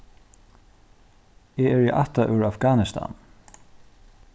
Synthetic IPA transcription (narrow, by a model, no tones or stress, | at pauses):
eːæːɹiːʔɑt̪ɑʔʉɹɑfɡɑːnɪst̪ʰɑ̰ːn